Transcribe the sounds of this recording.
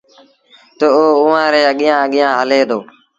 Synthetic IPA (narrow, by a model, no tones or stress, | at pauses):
t̪ooːʊːãːɾeːəɠɪjãːəɠɪjãːɦəleːd̪oː